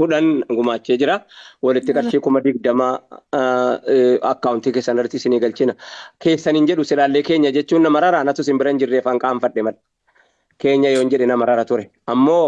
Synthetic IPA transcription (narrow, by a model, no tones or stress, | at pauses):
hʊᶑɐnɡʊmaːt͡ʃːeːd͡ʒɪɾawɐlɪt̪ːɪkʼɐɾʃiːkʊmɐd̪ɪɡ̚d̪ɐma | ɐ̰kːaʊnt̪ɪkeːsːɐnɐɾt̪ːɪsɪniːɡɐlt͡ʃɪnɐke̞ːsːɐnɪnd͡ʒɛɗʊsɪlaːlːeːke̞ːɲːɐd͡ʒɛt͡ʃːuːnːɐmɐɾɐɾanɐt̪ʊsɪmbɪɾɐnd͡ʒɪrːeːfɐŋkʼaːnfɐᶑːɛmɐᶑ | ke̞ːɲːɐjoːɪnd͡ʒɛᶑɛnɐmɐɾɐɾɐt̪ʊɾɛ | ʔɐmːo̞ː